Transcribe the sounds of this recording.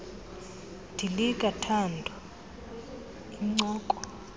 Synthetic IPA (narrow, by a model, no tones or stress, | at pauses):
d̥ʱilikʼatʰandʱɔ | iŋ͡ǀɔːkʼɔ